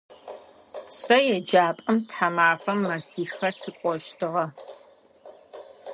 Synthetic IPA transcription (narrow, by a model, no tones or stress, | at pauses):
sɐjɛd͡ʒaːpʼɐmtħamaːfɐmːɐsiːxɐɬɨkʷʼɔʃtʰɨʁɐ